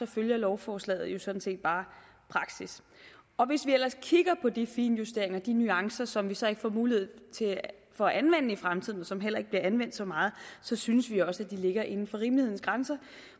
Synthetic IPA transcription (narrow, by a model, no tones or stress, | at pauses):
ɒ̽føljɐlɒʊfɒːslɛ̰ːð̩ˠjo̝sɒ̽d̥n̩se̝̰ːd̥̚b̥ɑ̈ː | pʰʁɑ̈ɡ̥sis | ɒ̽ʋe̝sʋiel̰ɐskʰiɡ̥ɐpʰɒ̽d̥ifḭːnjusd̥e̝ɐe̝ŋɐd̥inyɑ̈ŋsɐsɒ̽mʋisɒ̽e̝ɡ̥əfɒ̰ːmuːlihe̝ð̞̰ˠt͡sʰe̝ | fɒ̽ʔænʋen̰əifʁamt͡sʰið̞̰ˠn̩ɒsɒ̽mɦel̰ɐe̝ɡ̥̚b̥liɐʔænʋen̰d̥sɒ̽mɑ̈ːð̞̩ˠsɒ̽synəsʋiɒ̽səæd̥ile̝ɡ̥ɐʔe̝nn̩fɒ̽ʁiːmlihe̝n̩sɡ̥ʁansɐ